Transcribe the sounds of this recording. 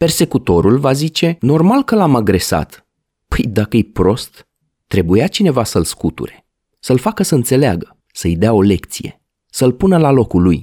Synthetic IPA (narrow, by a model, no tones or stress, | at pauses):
pe̞rse̞kut̪o̞ɾulvazit͡ʃe̞no̞rmalkəlamaɡɾe̞sa̰t̪ | pəjd̪akəjepɾo̞st̪ː | ɾe̞bujat͡ʃine̞vasəlskut̪ṵɾe̞̥ | səlfakəsəɨnt̪se̞lea̰ɡə | səɨjd̪eao̞le̞kt̪sije̞̰ | səlpunəlalo̞kuluj